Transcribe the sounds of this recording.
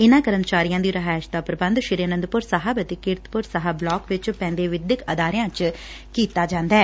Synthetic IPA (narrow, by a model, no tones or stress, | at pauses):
ɪnãːkəɾənt͡ʃaːɾijãːd̪iːɾəɦaːʃd̪aːpɾəbə̃nd̪ʃɪɾiaːnənd̪pʊɾsaɦabət̪eːkɪɾt̪pʊɾsəɦblɔːkʋɪt͡ʃpɛ̃ːnd̪eːʋɪd̪ɪkəd̪aːɾɪjãːt͡ʃ | kiːt̪aːd͡ʒãːnd̪aɛː